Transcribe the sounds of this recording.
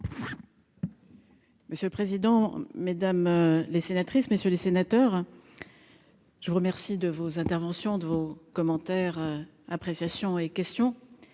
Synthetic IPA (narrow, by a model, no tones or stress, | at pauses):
məsjøləpχezid̪ɑ̃med̪amlesenat̪χisməsjølesenat̪œʁ | ʒ̥əvuʁəmɛʁsid̪əvozɛ̃t̪ɛʁvɑ̃sjɔ̃d̪əvokɔmɑ̃t̪ɛʁ | apχesjasjɔ̃ekʲɛst̪jɔ̃